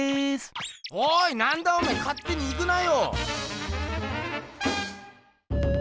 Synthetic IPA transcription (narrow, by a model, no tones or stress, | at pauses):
soinand̪aɯmekat͈ːɯniɡɯnajo